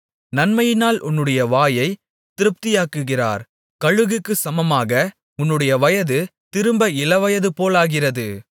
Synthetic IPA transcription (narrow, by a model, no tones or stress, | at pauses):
nɐnmɐjɪnaːlʔʊnːɯɽɐjɐʋaːjɐɪ | t̪ɪɾɯp̚t̪ɪjaːkːɯɣɪra̰ːɾ | kɐɻɯɣɯkːɯsɐmɐmaːɣɐ | ʊnːɯɽɐjɐʋɐjɐðɯt̪ɪɾɯmbɐɪlɐʋɐjɐðɯpoːlaːɣɪrɐðɯ